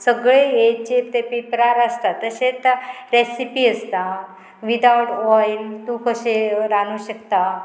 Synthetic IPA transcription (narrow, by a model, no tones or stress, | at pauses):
səɡɭeet͡ɕet̪epipəɾaɾaʂʈɾat̪əɕẽt̪aɾesipiːəst̪a | ʋid̪awʈɔjlt̪ũkəɕeɾanuɕəkt̪a